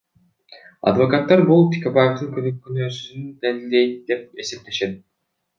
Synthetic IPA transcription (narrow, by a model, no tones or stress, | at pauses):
ɑ̰d̪vo̞kat̪ːɑɾbulˠt̪ʰi̥kabajefd̪ɯnkʰʲønykʲːynøsyynyd̪enilʲd̪ejnd̪ep̚esep̚t̪ʰeʃed̪